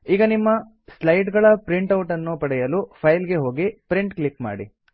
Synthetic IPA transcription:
iːɡɐnimːɐ | slɐjɖɡɐɭɐpɾiɳʈɐwʈɐnːupɐɽɛjɐlupʰɐjlɡe̞ɦo̞ːɡipɾiɳʈklikma̰ːɽi

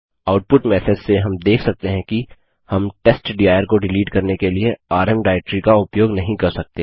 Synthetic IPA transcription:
aːʊʈ̚pʊʈmɛːsəd͡ʒseɦɐmd̪eːkʰsɐk̚t̪eɦɛ̃ki | hɐmʈesʈɖiːaːjəɾkoɖɪliːʈkɐɾnekelieaːɾɛ̃mɖaːɪk̚ʈɾikaʊpjoːɡnɐɦĩkɐɾsɐk̚t̪eː

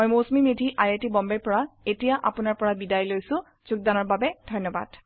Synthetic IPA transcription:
ɔjmosmimidʱiʔajetibɔmbɛɹpɔɹaetijaʔa̰pʊnaɹpɔɹabidajlojsʊ̃ | z̥uk̚danɔɹbabɛdʱɔjnːɔba̰d̥

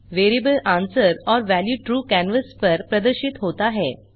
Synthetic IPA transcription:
ʋeɾibəlãnsəɾɔɾʋæljuʈɾuːkænʋəspəɾpɾəd̪əɾɕit̪ɦot̪aɦẽ

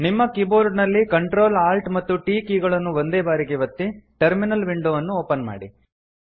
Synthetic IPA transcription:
nimːɐkiːboːɾɖnɐlːikɐɳʈɾo̞ːlaːlʈmɐt̪ːuʈiːkiːɡɐɭɐnːuʋond̪eːbaːɾiɡeʋɐt̪ːiʈɐɾminɐlʋiɳɖoːʋɐnːuoːpɐnma̰ːɽḭ

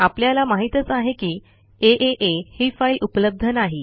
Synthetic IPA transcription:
apljalamaɦit̪ət͡saɦekiː | eʔeʔehifailupələb̚d̪ʱənaɦi

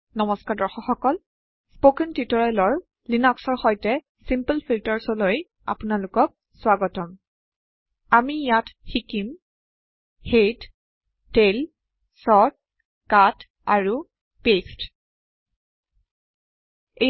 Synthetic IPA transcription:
nɔmɔskaɹdɔɹxɔxɔkɔl | spokɛntitɔɹɛlɔɹ | linɔksɔɹxɔjtɛ | simpəlpʰiltɔɹsɔloj | a̰pʊnalʊkɔk̚ | swaɡɔtɔm | amijatxikim | het | tel | sɔt̚ | kat | aɹu | pest | e

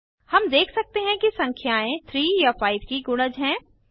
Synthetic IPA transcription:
hɐmd̪eːkʰsɐk̚t̪eɦɛ̃kisɐ̃ŋkʰjaːẽt̪ʰɾiːjafaːɪd̪kiɡʊɽ̃əd͡ʒɦɛ̃ː

